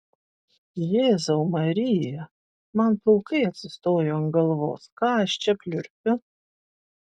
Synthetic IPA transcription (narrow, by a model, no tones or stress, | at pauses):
jeːzɐʊmɐɾʲɪjɛ | mɐnpˠʊlˠkɐɪɐt̪ʲsʲɪst̪oːjoɐŋɡɐlˠʋo̰ːskɑːɐʃt͡ʃʲɛpʲlʲʊɾʲpʲʊ